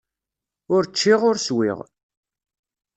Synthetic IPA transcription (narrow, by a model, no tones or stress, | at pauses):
ʊɾt͡ʃːiʁʊɾswḭʁ